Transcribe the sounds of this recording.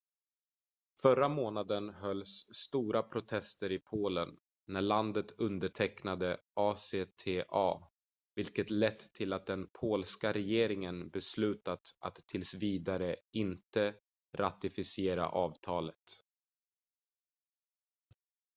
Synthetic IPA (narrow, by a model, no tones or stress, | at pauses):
fœɾːamoːnad̪ənɦœlːsːt̪uːɾapʰɾʊt̪ʰɛst̪əɾɪpʰoːlənː | æɭand̪ət̪ɵnd̪əʈʰɛknad̪əʔɑːseːt̪ʰeːʔɑː | vɪlkət̪lɛt̪ʰːɪlat̪̚d̪ɛnpʰoːlskaɾɛjeːɾɪŋənbɛslʉ̟ːt̪at̪ʔa̰t̪ʰːɪlsviːd̪aɾəɪnt̪ə | ɾʔat̪ɪfɪsɪeːɾa̰ʔɑːvt̪ʰɑːlət̪